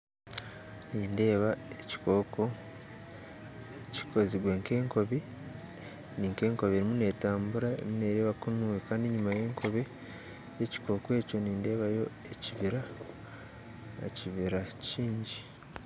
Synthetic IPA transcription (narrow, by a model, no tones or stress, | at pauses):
niːnde̞ːβaeci̥ko̞ːko | ci̥kʰo̞ziɡwe̞ːŋke̞ːŋko̞βi | niːŋke̞ːŋko̞βieɾimune̞ːtaːmbuɾaḛɾimune̞ɾe̞ːβakunuwekaːndiɲumaje̞ːŋkʰo̞βe | jeci̥ko̞ːkwe̞ːco̞niːnde̞ːβajo̞ | eciβiɾa | ciβiɾaciːɲɟi